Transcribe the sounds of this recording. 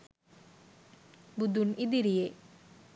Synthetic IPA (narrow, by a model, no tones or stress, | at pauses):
bud̪unid̪iɾije